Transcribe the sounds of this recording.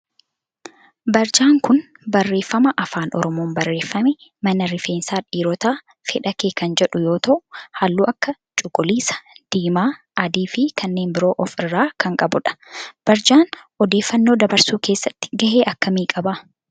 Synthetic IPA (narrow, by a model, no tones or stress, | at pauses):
bɐɾd͡ʒaːŋkʊn | bɐrːe̞ːfːɐmɐʔɐfaːnʔɔ̰ɾɔmoːmbɐrːe̞ːfːɐmɛ | mɐnɐɾɪfe̞ːnsaːᶑiːɾɔt̪aː | fɛᶑɐkeːkɐnd͡ʒɛᶑʊjo̞ːt̪ɐʔʊhaːlːuːʔɐkːɐ | t͡ʃʼʊkʼːʊliːsɐ̥d̪̥iːmaː | ʔɐd̪iːfɪkʰɐnːe̞ːmbɪɾo̞ːʔɔfɪrːaːkɐŋkʼɐbʊᶑɐ̥b̥ɐɾd͡ʒaːn | ɔd̪e̞ːfːɐnːoːd̪ɐbɐɾsuːke̞ːsːɐt̪ːɪ̥ɡɐɦeːʔɐkːɐmiːkʼɐbɐ